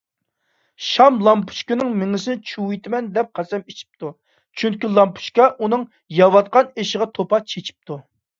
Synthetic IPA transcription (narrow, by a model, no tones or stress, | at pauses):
ʃɑmlˠɑmpʰu̥ʃkʲɪnɨŋmɪŋɪsɪnɪt͡ʃʰuwijt̪ʰɪmɛnd̪ɛp̚qʰɑsɛmet͡ʃʰi̥p̚t̪u | t͡ʃʰyŋkʲylˠɑmpʰu̥ʃkʲɑʔunɨŋ | jɑwɑt̪̚qɑneʃɪʁɑt̪ʰopɑt͡ʃʰet͡ʃʰi̥p̚t̪ʰu